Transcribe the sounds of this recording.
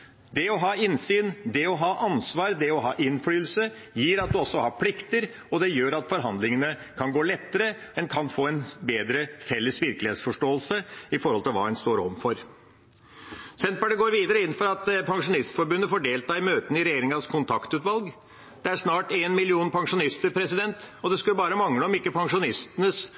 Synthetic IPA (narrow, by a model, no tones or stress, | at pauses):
d̪ɛɔɦɑːɪnsyːnd̪ɛɔɦɑːʔɑnsʋɑːɾd̪ɛɔɦɑ̰ːʔɪnfɽyːlsə | jiːɾɑt̪̚d̪ʉɔsːɔhɑːɾpʰlɪkt̪əɾ | ɔd̪ɛjøːɾɑt̪fɔɾɦɑnd̪lɪŋənəkʰɑnɡoːlɛt̪ːəɾəɛnkʰɑnfoːɛnbeːd̪ɾəfɛlːəsʋɪɾkəlɪheːt̪sfɔʂʈoːəlsəɪfɔɾhɔlt̪ɪlʋɑ̰ːd̪ɛnst̪oːɾɔmfɔɾ | sɛnt̪pbæɖəɡoːɾʋiːd̪əɾəɪn̩ːfɔɾɑt̪pʰɑŋʂʊnɪst̪fɔɾbʉnːəfɔɖeːlt̪ʰɑːɪmøːt̪ənɪɾɛjeːɾɪŋɑskʰʊnt̪ʰɑkt̪ʉːt̪ʋɑlɡ | d̪̥ɛæʂnɑːʈeːnmɪlɪuːnpʰɑŋʂʊnɪst̪əɾpʰɾɛsɪd̪ɛnt̪ɔd̪ɛskʉləbɑːɾəmɑŋləɔmɪkːəpʰɑŋʂʊnɪst̪ənəs